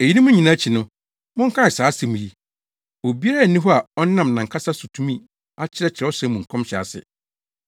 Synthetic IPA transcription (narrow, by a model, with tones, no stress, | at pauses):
e˨i˦nĩ˦mʊ̃˦ɲĩ˨nã˦t͡ɕʰi˨nʊ̃˦ | mʊ̃˦ŋ̩˦kʰã˦ɪ˨saː˨˦sɪ˨mʊ̃˨ji˦ | o˨bi˦a˦ɾnːĩ˦ɦɔ˦a˨ɔ˦nã˦˨m˨nã˨ŋkʰa˦sa˦su˨tʰũ˦mĩ˦˨ | a˦t͡ɕʰɪ˦ɾɛ˦t͡ɕʰɪ˨ɾɛ˨˦ɔ˦sɛ̃˦mũ˨ŋ̩˨kʰɔ̃˦mɕɛ˨a̰˨sɪ̰˨